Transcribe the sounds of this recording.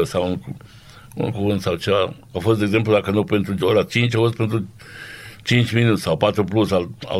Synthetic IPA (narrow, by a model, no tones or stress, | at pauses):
sawunku | ṵnkuvɨnt̪sawt͡ʃeva | afo̞st̪eɡzemplud̪akənupe̞nt̪ɾuoɾat͡ʃint͡ʃʲafost̪pent̪ɾu | t͡ʃint͡ʃʲminut̪ssawpat̪ɾuplusala̰